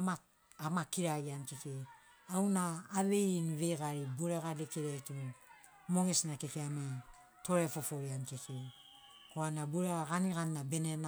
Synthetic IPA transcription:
ma | amakiɾaiankeke | awnaːβe̞nβejɡaɾibuɾeɡadekiɾetu | moɡesnakekiama | to̞ɾefo̞fo̞ɾiankeke | koanabuɾeɡaɡaniɡanːabenena

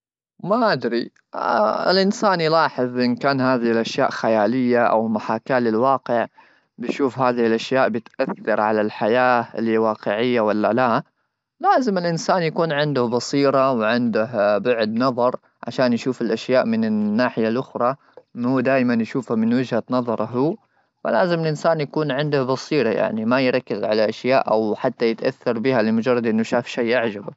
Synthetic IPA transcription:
maʔad̪ɾi | ɪ̰lʔɪnsaːnjlaɑːħɨðˤʔɪnkaːnɦaːðɪhɪlʔaʃja̰ːʔxajaːlɪjːaʔa̰wmaħaːkaːlɪlwɑːqɪʕ | bɪjʃuːfɦaːðɪhɪlʔaʃjaːʔbɪt̪ʔaθːɑɾˤʕalalħajaːlwɑːqɪʕɪjːawalːala | laːzɪmɪlʔɪnsaːnjakuːnʕɪnd̪ʊhbɑsiːɾˤɑwʕɪnd̪ɪhbʊʕd̪nɑðˤɑɾˤ | ʕa̰ʃaːnjaʃuːfɪlʔaʃjaːʔmɪnɪnːaːħɪjalʔʊxɾˤɑ | mhuːd̪aːʔɪmanjaʃuːfhamɪnwɪd͡ʒhanɑðˤɑɾˤɑɦuː | fa̰laːzɪmɪlʔɪnsaːnjakuːnʕɪnd̪ʊhbɑsiːɾɑja̰ʕnimajɾˤɑkːɪzʕalaʔaʃjaːʔʔawħat̪ːajɪt̪ʔa̰θːɑɾˤbiːhalɪlmʊd͡ʒɑrˤːɑd̪ʔɪnːʊʃaːfʃajʔaʕd͡ʒab

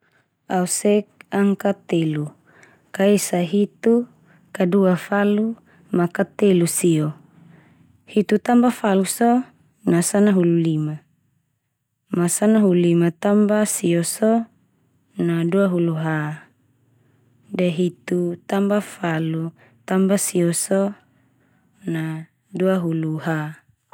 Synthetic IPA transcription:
ausɛk̚aŋkat̪elu | kaisaɦit̪u | kaduafalu | makat̪elusio | hit̪ut̪ambafalusɔ | nasanaɦululima | masanaɦulimat̪ambasiosɔ | naduaɦuluɦa | dɛɦit̪ut̪ambafalu | t̪ambasiɔsɔ | na | duaɦuluɦa

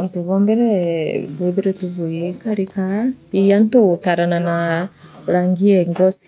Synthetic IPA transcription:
ontuβɔmbɛɾɛβeðiɾɛtuβuikaɾikaijantotaɾanana | ɾaŋɡiɛŋɡɔsi̥

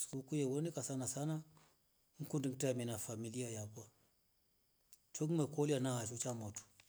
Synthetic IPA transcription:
skukujewonikasanasana | ŋ̩kundiŋtaminafamiliajakʷa | t͡ʃoɡmekolianahat͡ʃut͡ʃamotu̥

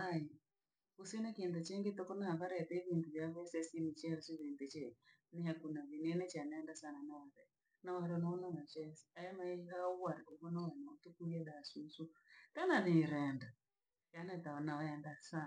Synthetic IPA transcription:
aji | usɛnakiɛndɛt͡ʃɛŋɡetɔkɔnahaβaɾaɛtɛiβintuβjaβɛsɛsinit͡ʃɛɔsiβindɛt͡ʃɛ | niɦakunaβinɛnɛt͡ʃanɛndasananawaɾɛ | nawaɾiɔnaɔnanat͡ʃɛsiajamaiɦauwaɾiʔuβɔnawanaɔtukuiɛɗasusutanaβiɾɛnda | anataɔnaaɛndasa

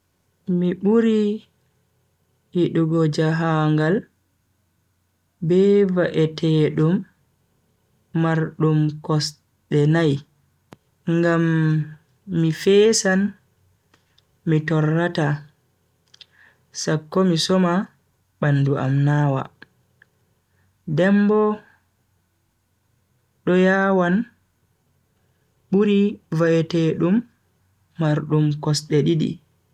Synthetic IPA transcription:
miɓuɾi | hiɗuɡɔd͡ʒaɦaŋɡal | bɛvaʔɛtʰɛːɗum | aɾɗumkɔs | ɗɛnaj | ŋɡamː | ifɛːsan | mitɔrːata | sakːɔmisɔma | ɓanːduʔa̰mnaːwa̰ | dɛmbɔ | ɗɔjaːwan | ɓuɾivaɛtɛɗumː | aɾɗumkɔsɗɛɗiɗḭ

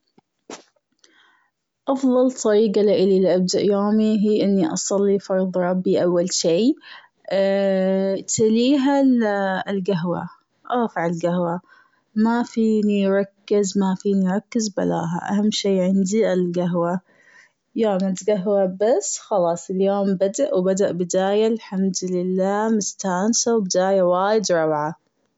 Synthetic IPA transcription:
ʔɑfðˤɑlt̪ˤːɑɾiːɡalɪʔɪlilʔab̚d̪aʔjoːmiɦiːʔɪnːiʔɑ̰sˤɑlːifɑɾˤðˤɾˤɑbːiʔawːalʃiː | t̪aliːɦallɡaɦwa̰ | ʔaːfaʕɪlɡahwa | mafiːniɾˤɑkːɪzmafiːniɾˤɑkːɪzba̰la̰ːɦa̰ʔa̰hamːʃiːʕɪnd̪iɪlɡaɦwa | joːmat̪ɡaɦwabasːxɑlɑːsˤɪljoːmbad̪aʔwbad̪aʔbɪd̪aːjalħamd̪lɪlːaːmɪst̪aːnsawbɪd̪aːjawaːjɪd̪ɾˤɑbʕa

